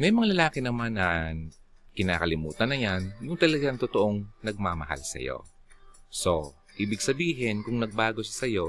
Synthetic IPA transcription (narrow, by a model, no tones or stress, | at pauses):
mɛjmɐŋalɐlaːkɪnɐmanɐ | kɪna̰ːkɐlɪmuːt̪ɐnɐjanjʊŋt̪ɐlɐɡaŋt̪ot̪o̞ʔo̞ŋnɐɡ̚maːmɐ̰ha̰lsɐ̰jo̞̰ | so̞ | ʔiːbɪɡ̚sɐbiːɦɪnkʊŋnɐɡ̚baːɡo̞sɐsɐjo̞